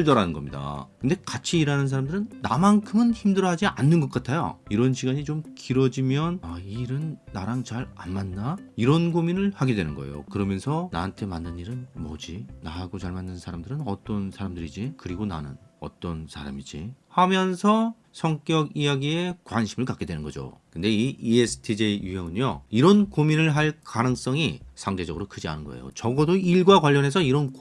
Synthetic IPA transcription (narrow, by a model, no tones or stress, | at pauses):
ɭdʌɾanɯnɡʌ̰mɲida̰kɯnde̞kat͡ɕʰiːɾanɯns̬ʰaɾamdɯɾɯnːa̰mankʰɯmɯnçimdɯɾʌɦad͡ʑianːɯnɡʌk͈atʰajo̰iɾʌnɕiɡaɲit͡ɕomkiɾʌd͡ʑimjʌnaiɾɯnːaɾaŋt͡ɕaɾanmanːaiɾʌnɡominɯɭhaɡedwe̞nɯnɡʌ̰ḛjo̰kɯɾʌmjʌnsʰʌna̰ɦantʰe̞manːɯniɾɯnmʌd͡ʑinaɦaɡot͡ɕaɭmanːɯnsʰaɾamdɯɾɯnʌt͈ʌnsʰaɾamdɯɾid͡ʑikɯɾiɡona̰nɯ̰nʌ̰t͈ʌnsʰaɾa̰mid͡ʑihamjʌnsʰʌ | sʰʌŋk͈jʌɡijaɡie̞kwanɕʰimɯɭkak͈edwe̞nɯnɡʌd͡ʑo̰kɯnde̞iiesʰɯ̥tʰid͡ʑejujʌŋɯnjoiɾʌnkominɯɭɦaɭkanɯŋs͈ʌŋisʰaŋde̞d͡ʑʌɡɯɾokʰɯd͡ʑia̰nɯnɡʌ̰ejo̰t͡ɕʌɡʌdoiɭɡwakwaʎːʌne̞sʰʌiɾʌn